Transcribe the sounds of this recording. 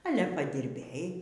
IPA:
ˈɑːlʲɛ pɐdʲɪrʲˈbʲeːj

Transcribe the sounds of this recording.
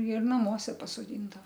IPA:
ɪr nɐˈmuɔsʲɛ pɐsoːˈdʲɪndɐʋɐ

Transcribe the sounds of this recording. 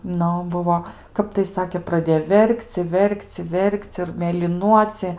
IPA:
ˈnʊ ˈbʊʋoː ˈkɐp tɐɪ ˈsɑːkʲeː prɐˈdʲeːjoː ˈʋʲɛrʲkʲt͡sʲ ɪ ˈʋʲɛrʲkʲt͡sʲ ɪ ˈʋʲɛrʲkʲt͡sʲ ɪr mʲeːlʲɪˈnuɔt͡sʲiɛ

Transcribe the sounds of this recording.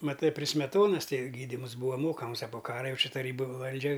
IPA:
mɐˈtɨ pʲrʲɪ sʲmʲɛˈtoːnɐs ˈtɐɪ ɡʲiːˈdʲiːms ˈbuːʋɐ ˈmoːkɐms ɐ poː ˈkɑːrɐ ˈjɛʊ ˈt͡ʃʲɪ tɐˈrʲiːbʊ ˈʋɐlʲd͡ʒʲɛ

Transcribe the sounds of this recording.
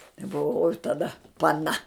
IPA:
ɪ bʊˈʋɐʊ oːj tɐˈdɐ pɐˈnɐ

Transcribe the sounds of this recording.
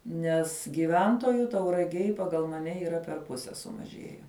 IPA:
nʲɛs ɡʲɪˈʋʲɛntoːjʊ tɐʊrɐˈɡʲeːj pɐˈɡɐlˠ mɐˈnʲɛ iːˈrɐ pʲɛr ˈpʊsʲɛ sʊmɐˈʒʲeːjɛ

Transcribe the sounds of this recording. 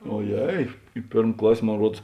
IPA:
oːˈjɛɪ ɪ ˈpʲeːrm ˈklˠɐsʲ moːn ˈruɔts

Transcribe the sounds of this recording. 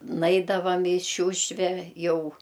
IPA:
ˈnɐɪdɐʋɐm ɪ ˈʃʲuːʃʲʋʲɛ ˈjɛʊ

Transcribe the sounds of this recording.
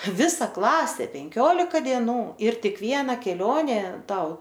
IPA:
ˈʋʲɪsɐ ˈklˠɑːsʲeː pʲɛŋʲˈkʲoːlʲɪkɐ dʲiɛˈnuː ɪr ˈtʲɪk ˈʋʲiɛnɐ kʲɛˈlʲoːnʲeː ˈtɐʊ

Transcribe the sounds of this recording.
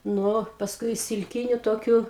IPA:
ˈnʊ pɐsˈkʊɪ ɪʃ sʲɪlʲˈkʲɪnʲʊ ˈtoːkʲʊ

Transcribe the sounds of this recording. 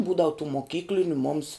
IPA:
ˈbuːdɐʋʊ tuː moːˈkʲiːklʲɪnʲʊ mʊms

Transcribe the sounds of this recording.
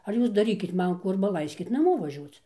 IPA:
ɐr ˈjuːs dɐˈrʲiːkʲɪt ˈmɐn ˈkuː ˈɐrbɐ ˈlˠɐɪsʲkʲɪt nɐˈmoː ʋɐˈʒʲuɔt͡s

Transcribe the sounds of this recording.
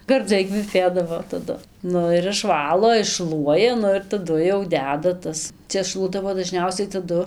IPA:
ɡɐrˈd͡zɐɪ kʋʲɛˈpʲeːdɐʋoː tɐˈdʊ ˈnʊ ɪr ɪʃˈʋɑːlˠoː ɪʃˈʃlˠuɔjɛ ˈnʊ ɪr tɐˈdʊ jɛʊ ˈdʲæːdɐ ˈtɐs ˈt͡ʃʲɛ ˈʃlˠuɔdɐʋoː dɐˈʒʲnʲɛʊsʲɛɪ tɐˈdʊ

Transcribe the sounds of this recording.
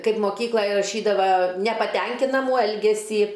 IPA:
ˈkɐɪp moːˈkʲiːklˠɐj rɐˈʃʲiːdɐʋɐ nʲɛpɐˈtʲɛŋʲkʲɪnɐmuː ˈɛlʲɡʲɛsʲiː

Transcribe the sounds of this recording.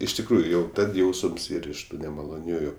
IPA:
ɪʃ tʲɪkˈruːjʊ ˈjɛʊ ˈtɐt ˈjɛʊsəms ˈiːr ɪʃ ˈtuː nʲɛmɐlˠoːˈnʲuːjʊ

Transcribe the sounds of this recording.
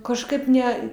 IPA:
kɐʃˈkɐɪp ˈnʲɛ

